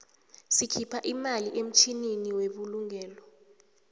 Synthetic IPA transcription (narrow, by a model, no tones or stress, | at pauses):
sikʰipʰaʔimaliʔem̩t͡ʃʰininiweɓuluŋʱɛːlɔ